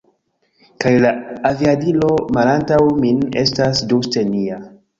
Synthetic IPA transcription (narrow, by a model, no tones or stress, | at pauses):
kajlaːviadilo̞malantawmine̞̰stasdustenia